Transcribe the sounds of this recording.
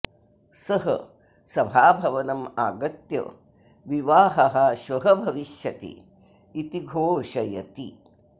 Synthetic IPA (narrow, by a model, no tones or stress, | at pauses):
sɐɦɐ̰ | sɐbʱaːbʱɐʋɐnɐma̰ːɡɐt̪jɐ̰ | ʋiʋaːɦɐɦɐʃʋɐɦɐbʱɐʋiʃjɐt̪ḭː | t̪iɡʱoːʃɐjɐ̰t̪ḭ